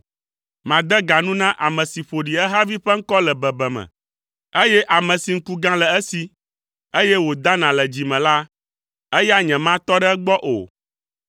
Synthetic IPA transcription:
mã˨d̪ɛ˦ɡa˨nũ˦nã˦ʔa˨mɛ̃˨si˨ɸo˨ɖi˨ɛ˦ɦa˦vi˦ɸɛ˦ŋ̩˦kɔ˦lɛ˨bɛ˨bɛ˨mɛ̰̃˨ | e˦jɛ˦ʔa˨mɛ̃˨si˨ŋ̩˦ku˦ɡã˦lɛ˨ɛ˦si˨ | e˦jɛ˦wo˨d̪a˦nã˨lɛ˨d͡ʑi˨mɛ̃˨la˦ | e˦ja˦ɲɛ̃˨mã˦t̪ɔ˦ɖɛ˦ɡ͡bɔ˦ʔo̰˨

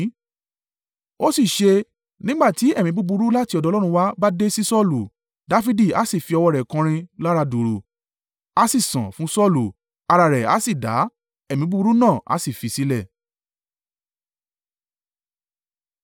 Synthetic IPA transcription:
o˦si˦˨ʃe˧ | nĩ˦ɡ͡ba˦˨ti˨˦ɛ˦˨mĩ˨˧bu˦bu˧ɾu˦la˦ti˧ɔ˧dɔ˧lɾũ˧wa˦ba˦de˦si˦sɔ˦˨lu˨ | da˨˦fi˧di˦˨a̰˨˦si˦˨fi˧ɔ˧wɔ˧ɾɛ˨kã˧ɾ̃ĩ˧la˦ɾa˧do˨ɾo˨˧ | a˦si˦˨sã̰˨fũ˨˦sɔ˦˨lu˨ | a˧ɾa˧ɾɛ˨a̰˨˦si˦˨da̰˨˦ | ɛ˦˨mĩ˨˦bu˦u˧˦ɾu˦nãː˦˨ʔa̰˨˦si˦˨fi˨˧si˦lɛ˦˨

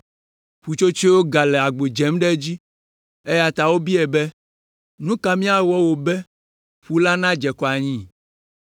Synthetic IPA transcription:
ɸu˨t͡ʃo˦t͡ʃi˦wo˦ɡa˨lɛ˨a˨ɡ͡be˨d͡ʒɛ˨˦mɖɛ˦d͡ʑi˦ | e˦ja˨t̪a˨wo˦bi˦ɛ˨bɛ˦ | nũ˦ka˨mĩ˦a˨wɔ˦wo˨bɛ˦ | ɸu˦la˦nã˦d͡ʒɛ˨kɔ˨a˨ɲĩ˦

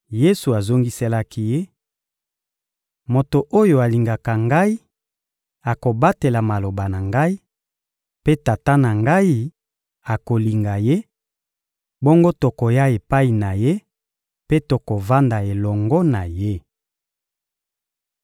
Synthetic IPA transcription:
je˦su˨a˨zo˦ŋɡi˦se˦la˦ki˦je˦ | mo˨to˨ʔo˦jo˨a˨li˨ŋɡa˨ka˨ŋɡa˦i˦ | a˨ko˨ba˦te˨la˨ma˨lo˨ba˨na˨ŋɡa˦i˦ | pe˦ta˨ta˦na˨ŋɡa˦i˦ | a˨ko˨li˨ŋɡa˨je˦ | bo˦ŋɡo˦to˨ko˨ja˦e˨pa˦i˨na˨je˦ | pe˦to˨ko˨va˦nda˨e˨lɔ˨ŋɡɔ˦na˨je˦

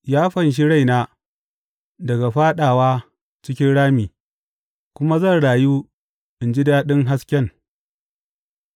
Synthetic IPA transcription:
jaː˦ɸɐ˨nʃ̬i˦ɽa˦˨jnaː˦ | dɐ˨ɡa˨ɸaː˦ɗaː˨waː˦ | t͡ʃɪ˦kʲɪ˦nɽaː˦miː˨ | kʷʊ˦ma˦zɐ˦˨nɽaː˨juː˦ | ʔɪ˨nd͡ʒi˦daː˦ɗɪ˦ŋɦa˦skʲɛ˦˨ŋ

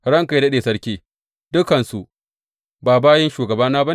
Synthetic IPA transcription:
ɽɐ˦ŋka˨jdɐ˦ɗeː˨sɐ˦ɽkʲiː˦ | dʊ˦kɐ˨nsu˨ | baː˨baː˦jɛ˦nʃuː˨ɡɐ˨baː˦naː˦ba˦n

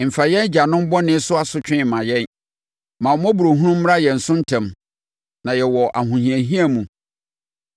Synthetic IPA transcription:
m̩˨fa˨jɛ̃˦n˦d͡ʑa˨nʊ̃˦m˦bɔ˦nɪ̃˦sʊ˦a˨sʊ˦t͡ɕᶣɪ̃˦˨mã˨jɛ˦n | mã˨mɔ̃˦bu˨ɾo˨ɦũ˦nũ˦m̩ː˦ɾa˦jɛ˨n̩˨sʊ̃˦n̩˦tʰã˨m | nã˨jɛ˨wɔ˨ʔa˨ɦũ˨hĩ˨æ̃˨ɦĩ˦a˨mũ˨

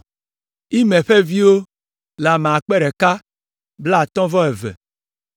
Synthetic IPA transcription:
i˦mẽ˨ɸe˦vi˦wo˦ | la˨me˨a˨k͡pɛ˦ɖɛ˨ka˦ | bla˦˨t̪ɔ̃˦vɔ˦ɛ˨vɛ̰˨

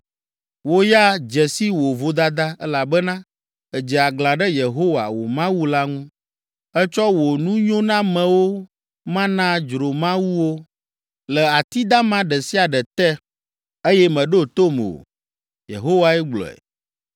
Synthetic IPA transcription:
wo˦ja˦d͡ʒɛ˨si˦wo˨vo˨d̪a˦d̪a˦ɛ˦la˨bɛ˦nã˦ | ɛ˨d͡ʒɛ˨a˨ɡlã˨ɖɛ˦je˨ɦo˦wa̰˨wo̰˨mã˦wu˦la˦ŋũ˦ | ɛ˦t͡ʃɔ˦wo˨nũ˦ɲõ˦nã˦mɛ̃˨wo˦ | mã˦nã˦d͡ʒɾo˨mã˦wu˦wo˦ | lɛ˨a˨t̪i˦d̪a˦mã˦ɖɛ˨si˦a˨ɖɛ˨t̪ɛ˦ | e˦jɛ˦mɛ̃˨ɖo˦t̪o˦m˨o̰˨ | jḛ˨ɦo˦wa˨ɛ˦ɡ͡blɔ̰˨ɛ̰˨

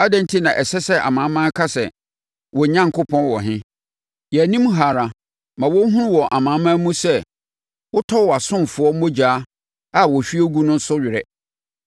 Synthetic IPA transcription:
a˦dɛ̃˦n̩˦tʰi˦nã˨ʔɛ˨sɛ˦sɛ˦a̰˨mã˨˦mã˦kʰa˦sɛ̰˨ | wɔ˨ɲã˦ŋ˨kʰʊ˦pʰɔ̃˦nwɔ˨ɦɪ̃˦ | jɛ˨nĩ˦m˦ɦa˨ɾa˨ | mã˨wɔ˦ɦũ˦ɾwɔ˨ʔa˨mãː˨˦mã˦mũ˦sɛ˦ | wʊ˦tʰɔ˦˨wɔ˨a˨sʊ̃˦m˨fʊ˨˦ɔ˦mõ˦d͡ʑaː˨˦ | a˦wɔ˨ɕᶣi˦o˦ɡu˦nʊ̃˦n̩˦sʊ˦ɥɪ˨ɾɛ˨

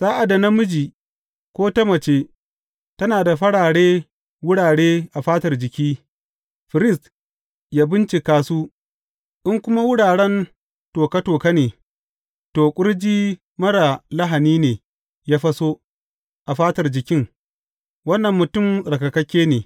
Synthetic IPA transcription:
saː˦ʔa˨da˨na˦mʊ˦d͡ʒiː˨ | kʷoː˦tɐ˦mɐ˨t͡ʃeː˦ | tɐ˦naː˨da˨ɸɐ˦ɽaː˨ɽeː˦ | wʊ˦ɽaː˨ɽeː˦ʔa˨ɸaː˦tɐ˨rd͡ʒɪ˨kʲiː˦ | ɸɪ˨ɾɪ˦˨st | jaː˦bɪ˦nt͡ʃi˨kaː˦suː˦ | ʔɪ˦ŋkʷʊ˦ma˦wʊ˦ɽaː˨ɽɛ˦n | toː˨ka˦toː˨ka˦neː˨ | toː˨kʷʼʊ˦ɽd͡ʒiː˦ | mɐ˦ɽa˨lɐ˦ɦa˨niː˦neː˨ | jaː˦ɸɐ˦so˦ | ʔa˨ɸaː˦tɐ˨rd͡ʒɪ˨kʲɪ˦ŋ | wɐ˦nːɐ˨mːʊ˨tʊ˦˨msʼɐ˨kɐ˨kɐ˦kʲːeː˦neː˨

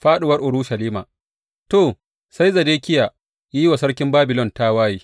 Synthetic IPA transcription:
ɸaː˦ɗʊ˨wɐ˦rʔʊ˨ɽʊ˦ʃɐ˨liː˦maː˨ | toː˨ | sa˦jzɐ˨deː˦kʲɪ˦ja˨ | ji˦wa˨sɐ˦ɽkʲɪ˦mbaː˦bɪ˨lɔ˦nta˦waː˦jiː˦

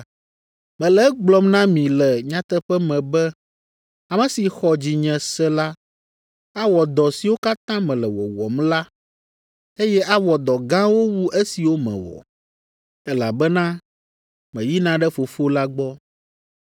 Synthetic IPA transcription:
mɛ̃˨lɛ˦ɡ͡blɔ˦mnã˦mĩ˨lɛ˨ɲã˦t̪ɛ˦ɸɛ˦mɛ̃˨bɛ˦ | a˨mɛ̃˨si˨xɔ˨d͡ʑi˨ɲɛ̃˨sɛ˦la˦ | a˦wɔ˨d̪ɔ˨si˨wo˦ka˦t̪ã˦mɛ̃˨lɛ˨wɔ̰˨wɔ̰˨mla˦ | e˦jɛ˦ʔa˦wɔ˨d̪ɔ˨ɡã˦wo˦wu˦ʔe˦si˨wo˦mɛ̰̃˨wɔ̰˨ | ɛ˦la̰˨bɛ˦nã˦ | mɛ̃˨ji˦nã˦ɖɛ˦fo˨fo˦la˦ɡ͡bɔ˦

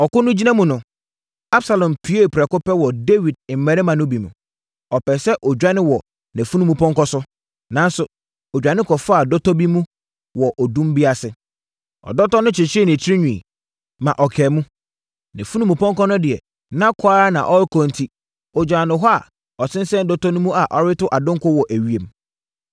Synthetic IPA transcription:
ɔ˨kʊ˦nʊ̃˦d͡ʑi˦nã˦mũ˦nʊ̃˨ | a˦bsa˨lɔ̃˨mpʰi˨˦e˦˨pʰɾɛ˨kʊ˦pɛ˦wɔ˨de˦wi˨d̚m̩˨˦mɛ̃˨ɾɛ˦mã˨nʊ̃˦bi˨mṵ̃˨ | ɔ˨pɛ˨sɛ˦ʔɔ˨d͡ʑᶣa˦nɪ̃˦wɔ˨ | nɛ̃˨fu˦nũ˦mũ˨pʰɔ̃˦ŋkɔ˦sʊ˦ | nã˨˦n˦sʊ˨ | ɔ˨d͡ʑᶣa˨nɪ̃˦kʰɔ˨fa˨dɔ˦tʰɔ˦bi˦mũ˦ | wɔ˨ʔɔ˨dũ˦m˦bi˦a˨sɪ˦˨ | ɔ̰˨dɔ˦tɔ˦nʊ̃˦t͡ɕʰɪ˨t͡ɕʰɪ˦ɛ˦˨nɪ̃˨t͡ɕʰi˦ɾi˦ɲᶣũ˨ḭ˨ | mã˨ʔɔ˨kʰɛː˨mũ˦ | nɛ̃˨fu˦nũ˦mũ˨pʰɔ̃˦ŋkɔ˦nʊ̃˦dɪ˨ɛ˨ | nã˦kʰʊ˦a˦ɾa˦nã̰˨ʔɔ˦ɾɪ˦kʰɔ̃˨n˨tʰi˦ | ɔ˨d͡ʑᶣa˨nʊ̃˨ɦɔ˦a˨ | ɔ˨sʰɪ̃˦n˦sɛ̃˦n˦dɔ˦tʰɔ˦nʊ̃˦mũ˦a˨ʔɔ˦ɾɪ˦tʊ˦ʔa˨dʊ̃˦ŋ˦kʰʊ˦wɔ˨ʔæ˨ɥi˦e˨m

